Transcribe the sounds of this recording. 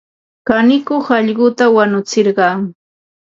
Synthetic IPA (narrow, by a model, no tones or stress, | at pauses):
kanɪkoχɑʎɢʊt̪awanʊt͡sɪɾɢɑŋ